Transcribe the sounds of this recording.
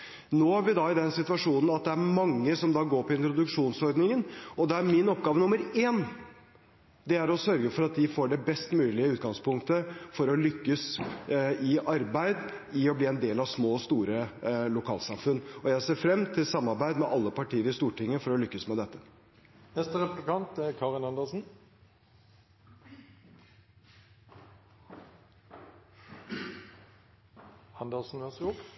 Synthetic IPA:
noːhæʋɪd̪ɑɪd̪ɛnsɪt̪ʉʋɑʂuːnn̩ɑt̪̚d̪ɛæɾmɑŋːəsɔmd̪ɑːɡoːɾpʰɔɪnt̪ɾʊd̪ʉkʂuːnsɔɾd̪nɪŋənɔd̪ɛæɾmɪnɔp̚ɡɑːʋənʊmːəɾeːn | d̪ɛæɾɔsœɾɡəfɔɾɑt̪̚d̪ɪfoːɖɛbɛst̪mʉːlɪəʉːt̪̚ɡɑŋspʰʊŋk̚t̪əfɔɾɔlʏkːəs | ɪʔɑɾbæɪd̪ɪɔbliːɛnd̪eːlɑʋsmoːst̪uːɾəlʊkʰɑːlsɑmfʉnːɔjæɪseːɾfɾɛmt̪ʰɪlsɑmːɑɾbæɪd̪mɛʔɑlːəpɑʈʰiːəɾɪst̪uːʈɪŋːəfɔɾɔlʏkːəsmɛd̪ɛt̪ːə | nɛst̪əʁɛplɪkɑnt̪ɛkʰɑːʁɪnɑnd̪əsn̩ | ɑnd̪əsn̩ʋɛsʊ

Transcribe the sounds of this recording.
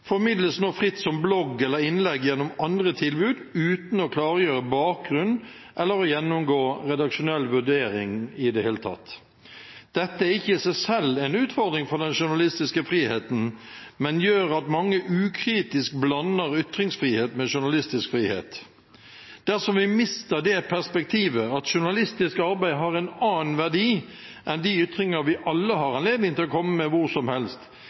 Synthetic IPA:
fɔɾmɪd̪ləsnoːfʁɪt̪ːsɔmblɔɡːɛlːəɾɪnlɛɡjɛnːɔmɑnd̪ʁət̪ʰɪlbʉːd̪ʉːt̪n̩ɔkʰlɑːʁəjøːɾəbɑːk̚ɡʁʉnː | ʔɛlːəɾɔjɛnːʊmɡoːɾɛd̪ɑkʃʊnɛlːʋʉd̪eːɾɪŋɪd̪ɛheːlət̪ʰɑ̰t̪ː | d̪̥ɛt̪ːəæʁɪçːəɪsæɪsɛlːɛɪnʉːt̪fɔd̪ʁɪŋfɔd̪ɛnʃʊnɑlɪst̪ɪskəfɾiːheːt̪n̩mɛnjøːɾɑt̪mɑŋːəʔʉːkʰɾiːt̪ɪsk̚blɑnːəɾʏt̪ɾɪŋsfɾiːheːt̪mɛʃʊnɑlɪst̪ɪskfɾiːhḛːt̪ | d̪̥æɾsɔmʋɪmɪst̪əd̪ɛpʰæʁspɛk̚t̪ʰiːʋəɑt̪ʃʊnɑlɪst̪ɪskɑɾbæɪɦɑɾɛnɑːnʋæʁdiː | ʔɛnd̪iʏt̪ɾɪŋəʋɪʔɑlːəɦɑʁɑnleːd̪nɪŋt̪ɪlɔkʰɔmːəmɛʋʊʁsɔmhɛlst̪

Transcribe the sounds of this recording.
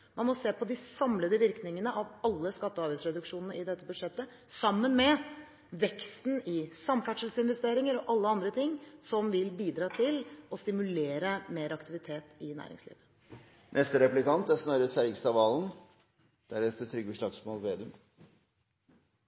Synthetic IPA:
mɑnmɔseːpɔd̪ɪsɑmləd̪əʋɪɾknɪŋənəʔɑʋɑlːəskɑt̪ːəɑːɾbæɪsɾɛd̪ʉkʂuːnənəʔɪd̪ɛt̪ːəbʉd̪ʂɛt̪ːə | sɑmːənmɛ | ʋɛkst̪n̩ɪsɑmfæʈʂəlsɪnʋɛst̪eːɾɪŋəɾɔʔɑlːəɑnd̪ɾət̪ʰɪŋːsɔmʋɪlbiːd̪ɾɑːt̪ʰɪlɔst̪ɪmʉleːɾəmeːɾɑkt̪ɪʋɪt̪ʰeːt̪ɪnæ̰ːɾɪ̰ŋslḭːʋə | nʔɛst̪əɾɛplɪkɑnt̪æsnɑːɾəsæɾɡst̪ɑʋɑːln̩ | d̪̥æɾɛft̪ət̪ʰɾʏɡəʂɭɑːɡsmoːlʋeːd̪əm

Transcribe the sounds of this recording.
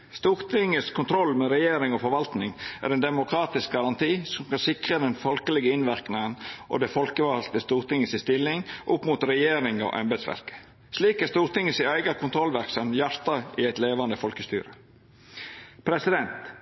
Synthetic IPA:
st̪uːɾt̪ʰɪŋːəskʰʊnt̪ʰɾɔlːmɛɾɛjeːɾɪŋɔfɔɾʋɑlt̪nɪŋæ̰ɾɛnd̪ɛmʊkʰɾɑːt̪ɪsk̚ɡɑɾɑnt̪ʰiːsɔmkɑnsɪkɾəd̪ɛnfɔlkəlɛɡəɪnʋɪɾknɪŋənʔo̰d̪ɛfɔlkəʋɑlt̪əst̪uːɾt̪ɪŋːəsɪst̪ɪlːɪŋʔʊpːmut̪ɾɛjeːɾɪŋɔ̰ʔɑ̰mbæd̪sʋæ̰ɾkə̥ | sliːkæɾst̪uːɾt̪ɪŋːəsɪæɪɡɑkʰʊnt̪ʰɾɔlʋæɾksɑmjæɾt̪ɑɪæɪt̪leːʋɑnd̪əfɔlkəst̪y̰ːɾə | pʰɾɛsɪd̪ɛnt̪

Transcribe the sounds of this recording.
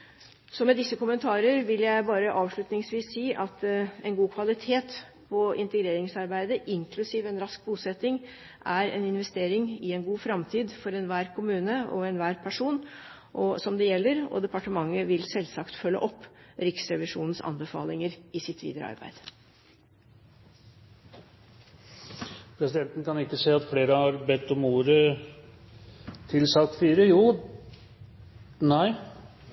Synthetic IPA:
sɔmɛd̪ɪsːəkʊmənt̪ʰɑːɾəɾʋɪljæɪbɑːɾəʔɑːʋʂɭʉt̪nɪŋsʋiːsːiːʔɑt̪ɛnɡuːkʰʋɑlɪt̪ʰeːt̪ | pʰɔɪnt̪əɡɾeːɾɪŋsɑɾbæɪd̪əʔɪŋkʰlʉsiːʋɛnɾɑsk̚buːsɛt̪ːɪŋ | ʔæɾɛ̰nɪnʋɛst̪eːɾɪŋɪɛnɡuːfɾɑmt̪ʰiːd̪fɔɾɛnʋæːɾkʰʊmʉːnəɔ̰ɛnʋæːɾpʰæʂuːn | ʔɔsɔmd̪ɛjɛlːəɾɔ̰d̪ɛpɑʈəmɑŋːəʋɪlsɛlsɑkt̪fœlːə̰ʔɔpːɾɪksɾɛʋɪʂuːnn̩sɑ̰nbəfɑ̰ːlɪŋəɾɪsɪt̪ʋḭːd̪əɾə̰ɑ̰ɾbæ̰ɪd̪̥ | pʰɾɛsɪd̪ɛnt̪n̩kɑnɪkːəseːɑt̪fleːɾəhɑɾbɛt̪ːɔmuːɾə | t̪ʰɪlsɑk̚t̪fyːɾəjuː | næɪ

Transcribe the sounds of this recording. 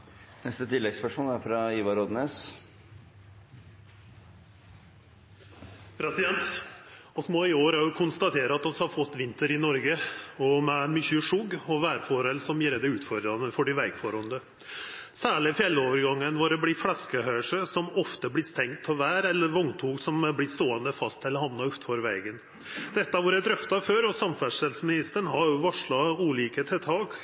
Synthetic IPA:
nɛst̪ət̪ʰɪlːɛɡspœʂmoːlæɾfɾɑiːʋɑɾɔd̪neːs | pʰɾɛsɪd̪ɛnt̪ | ɔsmɔɪoːɾɑjʊkʰʊnst̪ɑt̪ʰeːɾəɑt̪d̪ɔshɑɾfɔt̪ːʋɪnt̪əɾɪnɔɾɡəɔmɛæɪnmʏçʉʂʊɡɔʋæːɾfɔɾɛlsɔmjiːɾəd̪ɛʉːt̪fɔɾd̪ɾɑnəfɔɖɪʋɛɡfɔɾɔnd̪ə | sæːɭɪfjɛlːoːʋəɾɡɑŋːənʋɑɾɛblɪflɑskəhœʏəʂəsɔmɔft̪əblɪst̪ɛŋt̪̚pʰɔʋæːɾɛlːəɾʋɔŋt̪ʰuːksɔmblɪst̪oːənd̪əfɑst̪ʰɛlːəhɑnnɑʉt̪fɔɾʋɛɡən | d̪̥ɛt̪ːɑʋʊɾjɛd̪ɾœft̪ɑføːɾɔsɑmfæʂɛlsmɪnɪst̪əɳɦɑɾjʊʋɑʂɭɑuːliːkət̪ʰɛt̪ʰɑːɡ

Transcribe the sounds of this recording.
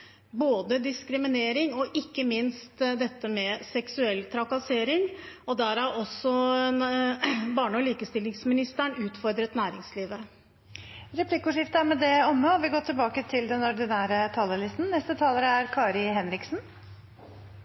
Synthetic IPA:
boːd̪əd̪ɪskɾɪmɪneːɾɪŋɔʔɪkːəmɪnst̪d̪ɛt̪ːəmɛsɛksʉɛlt̪ʰɾɑkɑseːɾɪŋɔd̪æɾæɔsːɔ | bɑːɳɔliːkəst̪ɪlːɪŋsmɪnɪst̪əɳʉːt̪fɔɾd̪ɾət̪næːɾɪŋsliːʋə | ɾɛpʰlɪkːʊʂɪft̪əæɾmɛd̪ɛɔmːəɔʋɪɡoːt̪ɪlbɑːkət̪ʰɪld̪ɛnɔɾɖ̪ɪnæːɾət̪ʰɑləlɪst̪n̩nɛst̪ət̪ʰɑːləɾəæɾkʰɑːɾɪɦɛnɾɪksn

